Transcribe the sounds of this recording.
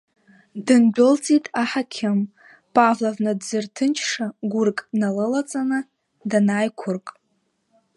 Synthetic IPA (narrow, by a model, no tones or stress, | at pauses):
dɨnbʷʊlt͡sʼitʼaħakʲʰɪm | pʼavlavnɨdzɨrtʰɨnt͡ʃʰʂaɡʷʊrkʼnalɨlat͡sʼanɨ | danaːjkʷʰʊrkʼ